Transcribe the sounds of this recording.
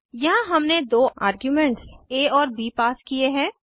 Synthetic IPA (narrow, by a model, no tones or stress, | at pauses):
jɐɦãɦɐmned̪oːa̰ːɾɡjuːmɛ̃ɳʈseːɔːɾbiːpaːskieɦɛ̃ː